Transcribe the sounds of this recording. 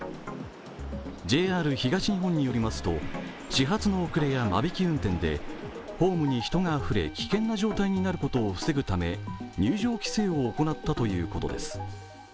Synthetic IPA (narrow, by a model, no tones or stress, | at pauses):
d͡ʑe̞ːaːɾɯ̟çiɡaɕiɲ̟iɦõ̞ɲ̟ːijo̞ɾʲimasɨ̥t̪o̞ | ɕiɦat͡sɨno̞ːkɯ̟ɾe̞jama̰bʲikʲiɯ̟̃nt̪ẽ̞nd̪e̞̰ | ho̞ːmɯ̟ɲ̟içi̥t̪o̞ŋaːɸɯ̟ɾe̞̰kʲi̥kẽ̞nːaʑo̞ːt̪aiɲ̟inaɾɯ̟ko̞t̪o̞ːɸɯ̟̥se̞ɡɯ̟t̪ame̞̰ɲɨːʑo̞ːkʲi̥se̞ːo̞ːko̞nat̪ːat̪o̞jɯ̟ːko̞t̪o̞̰d̪e̞sɨ̥